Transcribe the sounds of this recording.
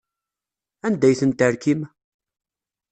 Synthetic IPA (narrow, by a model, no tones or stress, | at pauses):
ænd̪æjθənt̪əɾkim